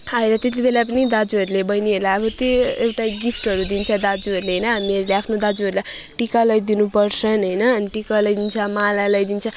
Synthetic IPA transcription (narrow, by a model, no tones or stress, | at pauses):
ajɾʌt̪et̪̬ibelap̬ʌnid̪ad͡zuʌɾulebʌjniɦelaʌbʌt̪joewʈaɡipʰʈʌɾud̪int͡sʰʌd̪ad͡zuɦʌɾuleɦʌjnʌɦamiʌɾuleapʰnod̪ad͡zuɦʌɾulaj | ʈikalʌjd̪inupʌrt͡sʰʌnɦʌjnʌːniʈikalʌjd̪int͡sʰʌmalalʌjd̪int͡sʰʌ